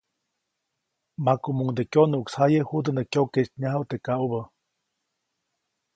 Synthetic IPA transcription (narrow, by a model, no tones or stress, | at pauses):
makumuŋd̪ekjonuʔkshajehud̪ənəkjoket͡ʃ̪ɲaɦəwt̪ekaʔubə